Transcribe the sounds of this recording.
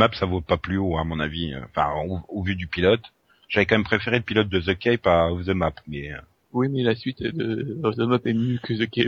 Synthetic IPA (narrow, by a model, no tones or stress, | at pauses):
mapsavopaplyoamɔ̃naviø̰ɑ̰̃fɛ̰̃oovyd̪ypilɔt̪ | ʒ̥avɛkɑ̃mɛmpχefeʁeləpilɔt̪̚d̪əzəkʲɛpaɔvzəmapmɛø | wimɛlasɥit̪d̪əɔzəmapɛmjøkəzəkʲɛp